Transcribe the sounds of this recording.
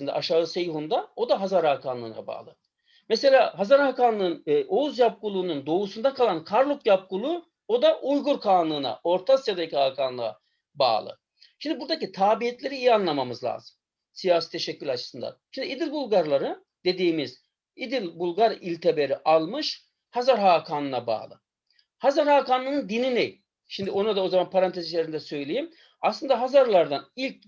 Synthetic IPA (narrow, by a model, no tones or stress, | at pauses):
ind̪ɛ̰ʔaʃaːɯsejuɦund̪ao̞d̪aɦazaɾaːkʰanlˠɯ̰ːna̰ba̰ːlˠɯ̰ | mɛselʲaːɦazaɾakanlˠɯɯnʔo̞uzjap̚kulˠuːnund̪o̞usund̪akʰalˠankʰaɾlˠukjap̚kulˠuː | o̞d̪aʔujɡuɾkʰaːnlˠɯːna̰o̞ɾt̪ʰasjad̪aicʰiaːkʰanlˠɯa̰ | ba̰ːlˠɯ̰ | ʃimd̪ibuɾd̪acit̪ʰaːbiɦɛt̪lʲe̞ɾiijanlˠamamɯzlʲˠa̰ːzɯm | sijaːsi̥t̪ʰe̞ʃɛcːylʲat͡ʃʰɯ̥sɯnd̪a̰nʃimd̪iid̪ilʲbulˠɡaɾlˠaɾɯ | d̪̥e̞d̪iːmiz | id̪ilʲbulˠɡaɾilʲt̪ʰebe̞ɾiʔalˠmɯʃ | hazaɾɦaːkʰaːnɯnaba̰ːlˠɯ̰ | hazaɾhaːkanlˠɯnɯnd̪ininejʲ | ʃimd̪io̞nad̪ao̞zamanpʰaɾant̪ʰezit͡ʃlʲeɾind̪ɛsø̞jlʲejim | aslˠɯnd̪aɦazaɾlˠaɾd̪anilʲc̚